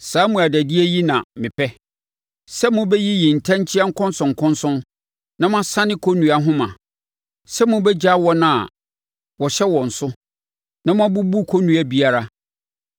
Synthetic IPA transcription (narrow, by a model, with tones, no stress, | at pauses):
saː˨˦mũ˨a˨dæ˨di˦e˦ji˦nã̰˨mɪ̃˨pʰɛ˦ | sɛ˦mʊ̃˦bɛ˦ji˦ji˨n̩˨tʰã˦ɲ˦t͡ɕʰi˦a˦ŋ̩˦kʰɔ̃˦n˦sʊ̃˨ŋ̩˨kʰʊ̃˦nsʊ̃˦n | nã˦mã˦sã˦nɪ̃˦kʰo˦nũ˨a˦ɦʊ̃˦mã̰˨ | sɛ˦mʊ̃˦bɛ˦d͡ʑa˦wɔ˦nã˨ | wɔ˨ɕɛ˦wɔ̃˨n̩˨sʊ˦ | nã˦mã˦bu˦bu˦kʰo˦nũ˨æ˦bi˦a˦ɾa˦